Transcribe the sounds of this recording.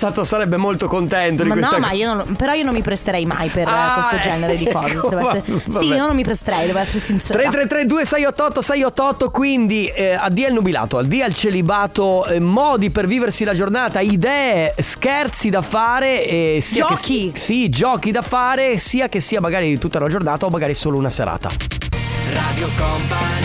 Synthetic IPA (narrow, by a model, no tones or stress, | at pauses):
st̪aːt̪osaɾɛbːemolt̪okont̪ɛnt̪od̪ikensɔt̪maionõnpeɾɔionõnmipɾest̪eɾɛjma̰jperkwest̪od͡ʒɛneɾed̪ikɔːzesed̪oɛsːevsainɔnomipɾest̪eɾɛjd̪ovoɛsːeɾsinst̪ɾet̪ːɾet̪ːɾed̪uːesɛjɔːɔt̪ːosɛjɔt̪ːoɔt̪ːokwind̪iad̪ːialnubila̰ːt̪oald̪ialt͡ʃelibaːt̪omɔːd̪iperviːversilad͡ʒornaːt̪aid̪ɛːeskɛrt̪sid̪afaːɾeɛsd͡ʒkisid͡ʒɔːk̟id̪afaːɾesiːak̟esːiːamaɡaːɾit̪ut̪ːaunad͡ʒornaːt̪aomːaɡaːɾisoːlounaseɾa̰ːt̪a̰ | rad̪jokompa